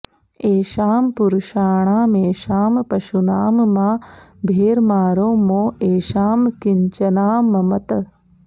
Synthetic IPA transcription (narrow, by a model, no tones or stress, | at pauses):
eːʃaːmpuɾuʃaːɳaːmeːʃaːmpɐʃunaːmmaːbʱeːɾmaːɾoːmoːeːʃaːmkiɲt͡ʃɐnaːmɐmɐt̪ɐ